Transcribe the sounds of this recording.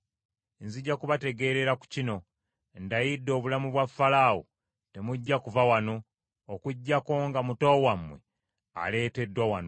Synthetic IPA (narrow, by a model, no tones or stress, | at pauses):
enziɟːakuβate̞ɡe̞ɾe̞ɾaku̥cino̞ | ndajidːo̞ːβulamuβwafːalaːo | te̞muɟːakuvawano̞ː | kuɟːakoːŋɡamutoːwamwe̞̰ | a̰le̞ːte̞dːwawano